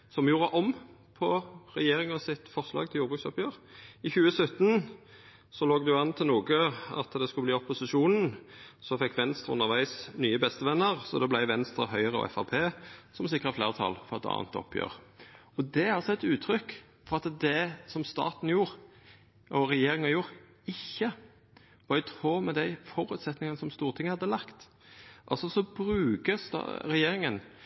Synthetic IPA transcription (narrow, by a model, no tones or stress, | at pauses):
sɔmjuːɾəʔɔm | pʰɔɾɛjeːɾɪŋɑsɪt̪fɔʁslɑ̰ːɡt̪ʰɪljuːʁbʁʉːksɔpjøːʁɪçʉːəsœt̪ːn | sɔloːɡd̪ʉɑnt̪ʰɪluːɡəɑ̰t̪d̪ɛskʉbliːɔpːʊsɪʃuːnn̩sɔfɛkːʋɛnst̪ɾəʊ̰nəʁʋæɪsnyːəbɛst̪əʋɛnːəʁsɔd̪ɛblæɪʋɛnst̪ɾəɦœʏəʁəɔ̰ɛ̰fɑʁpʰeːsɔmsɪkːɾəfleːʁət̪ʰɑ̰lfɔʁɑt̪ːɑ̰ːnt̪ɔ̰pʰːjø̰ːʁ | ɔd̪ɛæɾɑlsɔɛt̪ʉːt̪ʰɾʏkː | fɔʁɑt̪d̪ɛsɔmst̪ɑ̰ːt̪n̩juːɾ | ʔɔɾɛjeːɾɪŋɑjuːɾ | ɪçːə | ʋɑɾɪt̪ʰʁoːmɛd̪æɪfɔɾʉːt̪sɛt̪nɪŋɑnəsɔmst̪uːʁt̪ʰɪŋːəhɑd̪ːəlɑkt̪ | ʔɑ̰lsɔsɔbɾʉːɡəst̪ɑ̰ɾɛjeːɾɪŋən